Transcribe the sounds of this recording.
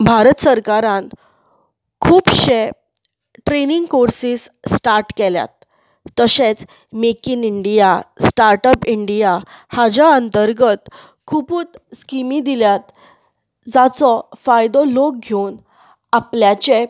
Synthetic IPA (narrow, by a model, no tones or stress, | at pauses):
bʱaɾət̪səɾkaɾãn | kʰuːpɕe | ʈɾeniŋɡkoɾsiːsːʈaɾʈkɛlja̰t̪̚ː | əɕet͡s | mekiniɳɖijasʈaɾʈəpiɳɖijahad͡ʑaənt̪əɾɡət̪ | kʰupuːt̪skimid̪iljat̪̚ | d͡zat͡sɔfajd̪ɔlok̚ɡʱewn | apljat͡ɕe